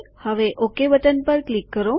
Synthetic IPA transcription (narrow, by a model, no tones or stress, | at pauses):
həʋeʔokeʋəʈ̪ənpəɾklikːəɾo